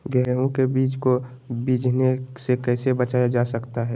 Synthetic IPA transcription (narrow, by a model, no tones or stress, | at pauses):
ɡɛɦɾõkebiːt͡ʃko | biːd͡ʒʱnesekɛːsebət͡ʃaːjad͡ʒasəkt̪aɦɛː